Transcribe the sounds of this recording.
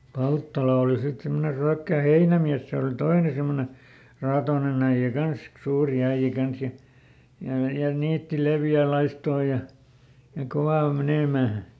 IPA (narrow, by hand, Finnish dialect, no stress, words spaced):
pɑltːɑlɑ oli sit simːone ryækːæˑ heinæmiæs se ol toine semːone rɑːtoːnen æij̆æ kɑnsk suːri æij̆æ kɑns jɑ jɑ jɑ niːtːi leʋjæˑ lɑistoː jɑ jɑ koʋɑˑ ol meneˑmæˑ